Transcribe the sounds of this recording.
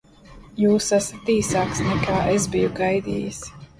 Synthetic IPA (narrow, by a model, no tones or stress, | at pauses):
juːsæsḁt̪iːsaːksnɛkʰaːʔezbijuɡajd̪ḭːjis